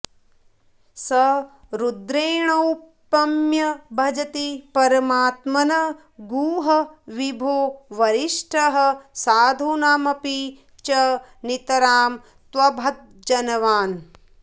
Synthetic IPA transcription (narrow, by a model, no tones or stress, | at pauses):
sɐɾud̪ɾeːɳɐwpːɐmjɐbʱɐd͡ʒɐt̪ipɐɾɐmaːt̪mɐnɐ | ɡuːɦɐʋibʱoːʋɐɾiʂʈʰɐɦɐsaːd̪ʱuːnaːmɐpi | t͡ʃɐ | nit̪ɐɾaːm | t̪ʋɐbʱɐt̪̚d͡ʒɐnɐʋaːn